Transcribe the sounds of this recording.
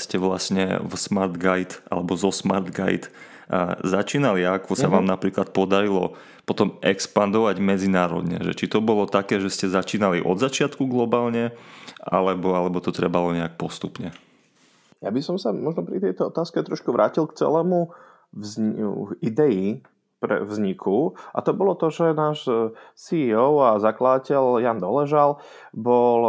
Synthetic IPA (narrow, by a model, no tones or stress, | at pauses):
scɛʋlasɲɛ̰vsmaɾd̪ɡajt̪ʔa̰lɛbɔzɔsma̰ɾd̪ɡa̰jt̪ | zat͡ʃiːnaliakɔsaʋaːmnapɾiːklat̪̚pɔd̪aɾilɔ̰ | pɔt̪ɔmʔɛkspand̪ɔʋaɟmɛd͡zinaːɾɔ̰d̪ɲɛ̰ʒɛ̰t͡ʃit̪ɔbɔlɔt̪akɛːʒɛscɛzat͡ʃiːnaliʔɔ̰d̪zat͡ʃɪat̪kuɡlɔbaːlɲɛʔa̰lɛbɔalɛbɔt̪ɔt̪ɾɛbalɔɲɛak̚pɔst̪upɲɛ | jabisɔmsamɔʒnɔpɾit̪ɛjt̪ɔɔt̪aːskɛt̪ɾɔʃkuʋɾʔa̰ːcilkt͡sɛ̰lɛːmu | zid̪ɛji | pɾɛ̰vzɲikʰuʔa̰t̪ɔbɔlɔt̪ɔʒɛnaːʃsiːɔʊazaklad̪acɛljand̪ɔlɛʒal | bɔl